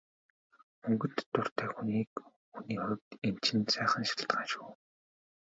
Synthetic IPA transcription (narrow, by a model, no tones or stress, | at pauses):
mɵŋɡɵ̆nt̪ːʊr̥t̪ʰæːxuniːk | xuniːχʊɾ̆ʲk̚t̪em̥t͡ɕʰɪ̆nsæːχə̆nʃḁɬt̪ɢaːnʃuː